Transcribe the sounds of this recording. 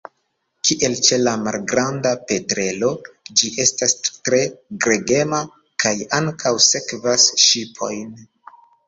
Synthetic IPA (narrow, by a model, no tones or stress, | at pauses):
kʰiʔe̞lt͡ʃe̞lamalɡɾandape̞tɾe̞lo̞d͡ʒiʔe̞stastɾe̞ɡɾe̞ɡe̞ma | kʰajaŋkʰawse̞kvasʃipʰo̞̰jn